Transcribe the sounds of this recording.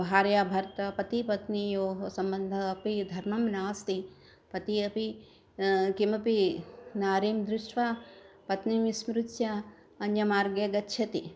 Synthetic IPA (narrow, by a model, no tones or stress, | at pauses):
bʱaːɾjaːbʱɐɾt̪ɐpɐt̪ipɐt̪nijoːɦɐsɐmbɐnd̪ʱɐːpid̪ʱɐɾmɐmnaːst̪i | pɐt̪iɐpi | kimɐpinaːɾiːmd̪ɾɪʂʈʋapɐt̪niʋismɾut̪ja | ɐnjɐmaːɾɡjɐɡɐtːʃʰɐt̪i